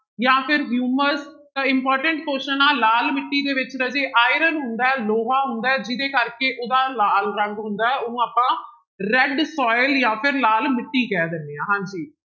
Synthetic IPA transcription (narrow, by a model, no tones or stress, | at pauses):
jãːpʰɪɾɦjuːməɾz | t̪ãɪ̃mpɔːɾʈəɳʈkoːʃənaːlaːlmɪʈːiːd̪eːʋɪt͡ʃɾəd͡ʒeːʔaːɪɾənɦʊnd̪aːɛːloːɦaːɦʊnd̪aːɛːd͡ʒɪd̪eːkəɾkeːʔoːd̪aːlaːlɾəŋɡɦʊnd̪aːɛːonũːaːpãː | ɾɛɖsɔːɪljãːpʰɪɾlaːlmɪʈːiːkɛːd̪enːeːãːɦãːɲd͡ʒiː